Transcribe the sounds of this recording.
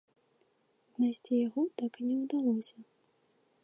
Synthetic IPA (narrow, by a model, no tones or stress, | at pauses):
znajsʲt͡sʲijaɣɔt̪akinʲɛwd̪alˠɔsʲɐ